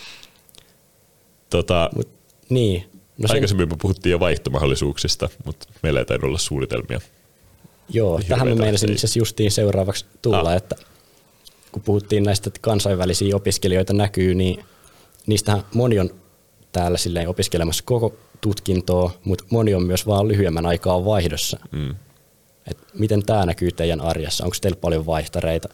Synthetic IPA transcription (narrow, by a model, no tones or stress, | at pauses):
t̪ot̪ɑmṵt̪ | niː | nosɑikɑsemːimkupuhut̪ːiːjoʋɑjht̪omɑ̰holːˑisuːksist̪ɑmut̪meilːæḛit̪ɑ̰nyo̰lːɑssuːnit̪ḛlmḭɑ̰ | joːæɦæmmæmeinɑsinit̪sesjust̪iːnseurɑːʋɑkst̪ulːɑet̪ːæ | kupuhut̪ːiːnnæist̪ækɑnsɑiʋʋælisiːopiskelioit̪ɑnækyːniː | niːst̪æhæmonion | t̪æːlːæsilːeiopiskelemɑsːɑ̥kokot̪ut̪kint̪oːmut̪moniommyøsʋɑːlyhyemːænɑikɑːʋʋɑihdosːɑ̰ | et̪mit̪ent̪æːnækyːt̪eijænɑrjɑ̰sːɑ̰o̰ŋkst̪eilppɑljoʋʋɑiht̪ɑreit̪æ